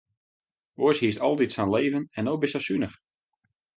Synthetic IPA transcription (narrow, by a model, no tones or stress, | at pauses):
oəshiəstɔlˠditsanleːvənɛnobisasynəx